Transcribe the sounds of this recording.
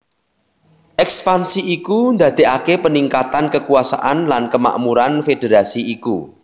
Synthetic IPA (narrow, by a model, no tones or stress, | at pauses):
ʔɛkspansiikund̪a̤d̪̥e̤ʔakepəniŋkat̪ankəkuasa̰ʔanlankəma̰ʔmuɾanfed̥e̤ɾasiikṵ